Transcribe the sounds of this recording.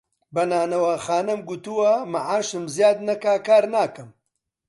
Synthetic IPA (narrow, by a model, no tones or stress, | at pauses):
bɐnaːnɐwaːxaːnɐmɡut̪uwɐmɐʕaːʃɨmzijaːd̪̚nɐkaːkaːɾnaːkɨm